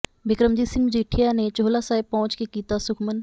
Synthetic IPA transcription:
bʱɪkɾəmd͡ʒiːsɪmd͡ʒiʈʰijanet͡ʃoːlasaːepɐɦʊ̃t͡ʃkekiːt̪asʊkʰmən

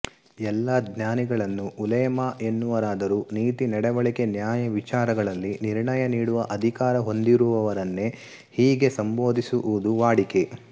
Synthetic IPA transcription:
ɛlːɐd̪njaːniɡɐɭɐnːuʔːlɐjɐmɐʔe̞nːuʋɐɾaːd̪ɐɾuːniːt̪inɐɽɛʋɐɭike̞njaːjɐʋit͡ʃaːɾɐɡɐɭɐlːiniɾɳɐjɐniːɽuʋɐʔɐd̪ʱikaːɾɐɦo̞nd̪iɾuʋɐʋɐɾɐnːe | hiːɡe̞sɐmbo̞ːd̪isuʔud̪uʋaːɽike

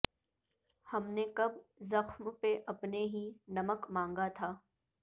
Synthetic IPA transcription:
hɐmnekɐbzɐxmpeʔɐpneɦinɐməkmãːŋɡat̪ʰaː

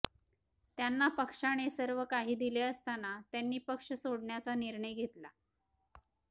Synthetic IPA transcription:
t̪janːapəkʂaɽ̃esəɾʋəkaɦiːd̪ileəst̪anat̪janːiːpəkʂəsoɽɳjat͡saniɾɳəjɡʱet̪la

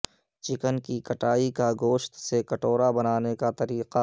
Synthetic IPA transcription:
t͡ʃɪkənkikɐʈaːikaɡoːʃt̪sekɐʈoːɾabɐnaːnekat̪ɐɾiːqa

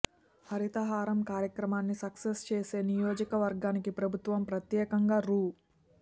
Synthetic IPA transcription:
hɐɾit̪ɐɦaːɾɐmkaːɾjɐkɾɐmaːnːisɐksest͡ʃeːse̞ːnijoːd͡ʒɐkɐʋɐɾɡaːnikipɾɐbʱut̪ʋɐmpɾɐt̪jɛːkɐŋɡaːɾuː

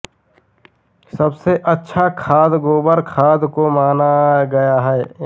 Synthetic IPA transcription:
sɐbseʔətːʃʰakʰaːd̪ɡoːbəɾkʰaːd̪komaːnaɡɐjaɦɛː

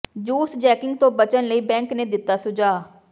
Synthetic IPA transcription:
d͡ʒuːsd͡ʒɛːkɪŋɡ̚t̪õːbət͡ʃənləiːbɛ̃ːŋkneːd̪ɪt̪ːaːsʊd͡ʒaː

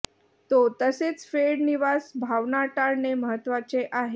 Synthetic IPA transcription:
t̪ot̪əset͡sfeɽniʋasbʱaʋnaʈaɾneməɦət̪ːʋat͡seʔaɦe

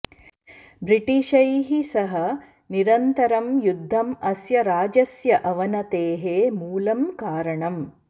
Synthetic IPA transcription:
bɾiʈiʃɐjɦisɐɦɐ | niɾɐnt̪ɐɾɐmjud̪ʱːɐmɐsjɐɾaːd͡ʒɐsjɐʔɐʋɐnɐt̪eːɦemuːlɐmkaːɾɐɳɐm

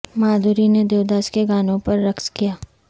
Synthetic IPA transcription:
maːd̪uɾined̪eːʋd̪aːskeɡaːnõpɐɾːɐkskijaː

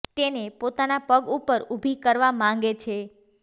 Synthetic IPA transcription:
t̪enepot̪anapəɡupəɾubʱikəɾʋamãŋɡet͡ʃʰe

